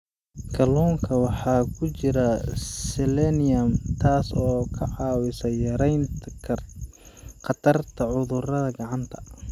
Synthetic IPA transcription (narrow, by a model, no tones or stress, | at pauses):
kʰɐluːŋkʰɐwɑħɑːkʰʊt͡ʃɪɾɐsɛlɛnɪjɐmt̪ʰaːsɔːkʰɐʕɑːwɪsɐjɐɾɛjnt̪ʰ | qɑt̪ʰɐrt̪ʰɐʕʊðʊrɐðɐɡɑʕɑnt̪ʰɐ̥